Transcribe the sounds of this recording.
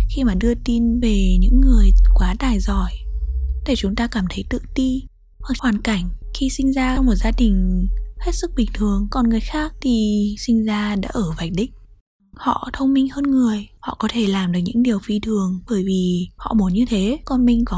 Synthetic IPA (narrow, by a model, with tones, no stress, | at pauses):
xi˧maː˨˩ɗɨ˧ət̪i˧nve˨˩ɲɨ̰˧˥ŋːɨ˨˩əjkwaː˨˦t̪aː˨˩jzɔ˨˧˩jɗe˧˩t͡ɕʊ˨˦ŋ͡mt̪aː˧kaː˧˩mt̪ʰə˨˦jt̪ɨ̰˧˨t̪i˧ | hwa˨˩k̚hwaː˨˩nka˧˩jŋ̟xi˧sï˧ŋ̟zaː˧wŋ͡mmo˨˩t̚zaː˧ɗï˨˩ŋ̟he˦˥t̚sɨ˦˥k̚ɓï˨˩ŋ̟t̪ʰɨ˨˩əŋkɔ˨˩nŋɨ˨˩əjxaː˦˥k̚t̪ʰi˨˩sï˧ŋ̟zaː˧ɗa̰ː˧˥ʔəː˧˩va˨˩jk̟̚ɗï˧˥k̟̚ | hɔ̰˧˨t̪ʰə˧wŋ͡mmï˧ŋ̟həː˧nŋɨ˨˩əjhɔ̰˧˨kɔ˨˦t̪ʰe˧˩laː˨˩mɗɨ˨˩k̚ɲɨ̰˧˥ŋɗi˨˩əwfi˧t̪ʰɨ˨˩əŋɓəː˧˩jvi˨˩hɔ̰˧˨mo˨˦nɲɨ˧t̪ʰe˨˦kɔ˧nmï˧ŋ̟kɔ˨˦